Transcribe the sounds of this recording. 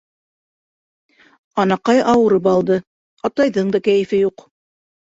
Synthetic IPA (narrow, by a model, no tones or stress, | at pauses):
ɑnɑqɑjɑwɤ̆ɾɤp̬ɑlˠd̪ɤ | ɑt̪ɑjðɤɴd̪ɑkæjɘ̆fɘjuq